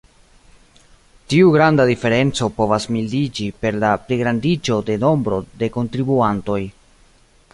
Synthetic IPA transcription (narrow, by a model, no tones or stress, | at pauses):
tiuɡɾandadife̞ɾe̞nt͡so̞po̞vasmildid͡ʒipe̞ɾlapliɡɾandid͡ʒo̞de̞no̞mbɾo̞̰de̞ko̞ntɾibuanto̞j